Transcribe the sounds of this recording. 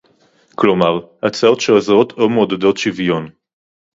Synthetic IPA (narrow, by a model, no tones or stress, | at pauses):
klomaʁat͡saotʃelazaʁo̞t̪ʰomod̪ed̪ot̪ʃivjon